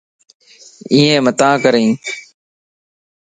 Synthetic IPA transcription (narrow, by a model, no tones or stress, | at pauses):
iːẽːmət̪ãːkəɾẽː